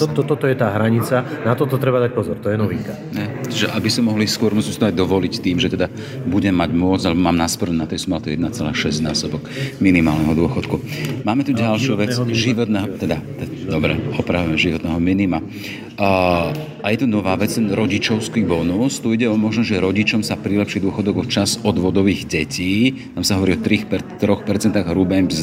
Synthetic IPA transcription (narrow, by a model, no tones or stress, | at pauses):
ɔt̪ɔt̪ɔt̪ɔjɛt̪aːɦɾaɲit͡sanat̪ɔt̪ɔt̪ɾɛbad̪ac̚pɔzɔɾt̪ɔjɛnɔʋiŋka | ɦɛt͡ʃiʒɛʔabisɔmɔɦliskʊɔɾmusimsit̪ɔajd̪ɔʋɔlict̪iːmʒɛt̪ɛd̪a | buɟɛmːaɟmʊɔt͡salɛbɔmaːmnaspɔɾnunat̪ɛjsɔmɛlat̪ujɛd̪nat͡sɛla̰ːʃɛzɟnaːsɔbɔkminima̰ːlnɛɦɔd̪ʊɔxɔt̪kumaːmɛt̪uɟalʃɪuʋɛt͡sʒiʋɔt̪nɛɦɔt̪ɛd̪at̪ɛd̪ɔbɾɛ̰ɔpɾaʋuɛmɛʒiʋɔt̪nɛɦɔminima | ajɛt̪unɔʋaːʋɛt͡st̪ɛnɾɔɟit͡ʃɔʊskibɔnɔst̪uiɟɛɔmɔʒnɔʒɛɾɔɟit͡ʃɔmsapɾilɛpʃiːd̪ʊɔxɔd̪ɔɡɔt͡ʃazɔd̪ʋɔd̪ɔʋiːɣɟɛcʰiːt̪amsaɦɔʋɔɾiːɔt̪ɾiːxpɛt̪ːɾɔxpɛɾt͡sɛnt̪aɣɦɾubɛmpz